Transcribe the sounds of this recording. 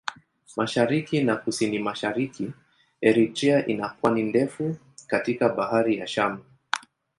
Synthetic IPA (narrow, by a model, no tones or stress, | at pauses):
maʃaɾikinakusinimaʃaɾiki | ɛɾitɾiaʔinakwanindɛfu | katikaɓahaɾijaʃama